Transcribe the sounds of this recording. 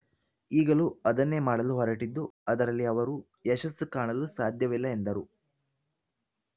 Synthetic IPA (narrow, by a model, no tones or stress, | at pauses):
iːɡɐluɐd̪ɐnːe̞maːɽɐluɦɔɾɐʈid̪ːuɐd̪ɐɾɐlːiɐʋɐɾu | eʃɐsːukaːɳɐlusaːd̪ʱjɐʋilːɐe̞nd̪ɐɾu